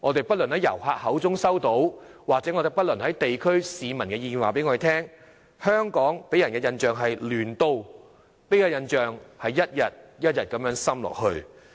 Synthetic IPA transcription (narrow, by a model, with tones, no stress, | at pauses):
ŋɔː˨˧t̪e˨˩jpɐ˥t̚lɵ˨˩nhɐ˨˥jɐ̰˨˩whaː˧k̚hɐ˨˥wt͡sʊ˥ŋsɐ˥wt̪o˨˥wwaː˨k̚t͡sɛː˨˥ŋɔː˨˧ɾe˨jpɐ˥t̚lɵ˨˩nhɐ˨˥jt̪e˨jkʰɵ˥ɥsiː˨˧mɐ˨˩nkɛː˧jiː˧nwaː˨˩pe˨˥jŋɔ˧de˨˩t̪ʰɛː˥ŋ | hœː˥ŋkɔː˨˥ŋpe˨˥jɐ˨˩nkɛː˧jɐ˧nt͡ʃœː˨ŋɦɐ˨jlyː˨˩nt̪o˧w | pe˨˥jkaː˧jɐ˧nt͡ʃœː˨ŋhɐ˨jːɐ˥t̚jɐ˨t̚jɐ˥t̚jɐ˨t̚kɐ˨˥mjœː˨˥ŋsɐ˥mlɔ̰ː˨k̚hɵ˧ɥ